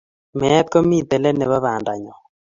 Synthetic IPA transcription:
mɛː˨˦t̪̚kɔ˦mi˦˨d̪ɛ˨lɛ˦nɛ˨βa˦βa˨nda˨ɲɔ˨

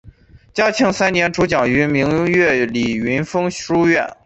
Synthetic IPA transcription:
t͡ɕjɑ˥t͡ɕʰɤ˥˩ŋsa˥nnjɛ˧˥nʈ͡ʂʰu˧˥t͡ɕjɑ˨˩ŋy˧˥mi˧˥ŋɥɛ˥˩li˨˩y˧˥nfɤ˥ŋu˥ɥɛ˥˩n

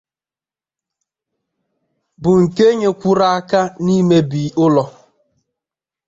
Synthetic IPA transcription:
bʊ˨ŋ̩˨ke˦ɲe˨kʷu˦ɾa˦a˦ka˦ni˦me˦bi˨ʊ˦lɔ˨

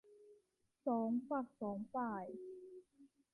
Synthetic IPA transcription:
sɔː˩˦ŋfa˨˩k̚sɔː˩˦ŋfaː˨˩j

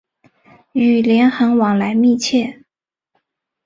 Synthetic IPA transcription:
y˨˩ljɛ˧˥nxə˧˥ŋwɑ˨˩ŋla˧˥ɪmi˥˧t͡ɕʰjɛ˥˩

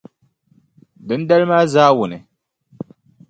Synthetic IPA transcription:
dɨ˦n˦da˦lmaː˦zaː˦wʊ˨nɨ˨

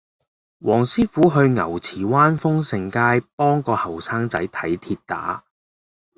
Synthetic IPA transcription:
wʔɔː˨˩ŋsiː˥fuː˨˥ɦɵ˧ɥŋɐ̰˨˩wt͡sʰiː˨˩waː˥nfʊ˥ŋsɪ˨˩ŋkaː˥jpɔː˥ŋkɔː˧hɐ˨˩wsaː˥ŋt͡sɐ˨˥jt̪ʰɐ˨˥jt̪ʰiː˧t̚t̪a̰ː˨˥

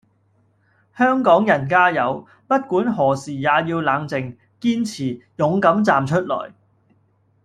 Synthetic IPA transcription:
hœː˥ŋkɔː˨˥ŋjɐ˨˩nkaː˥jɐ˨˧w | pɐ˥t̚kuː˨˥nɦɔː˨˩siː˨˩jaː˨˧jiː˧wlaː˨˧ŋt͡sɪ˨ŋ | kiː˥nt͡sʰiː˨˩jʊ˨˥ŋkɐ˨˥mt͡saː˨mt͡ʃʰɵ˥t̚lɔ̰ː˨˩j

